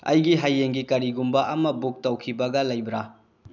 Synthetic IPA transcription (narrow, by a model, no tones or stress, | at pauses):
ɐ̰jɡiɦajːeŋɡikɐɾiɡumbɐʔɐmɐbuk̚tɐwkʰibɐɡɐlɐjbɾa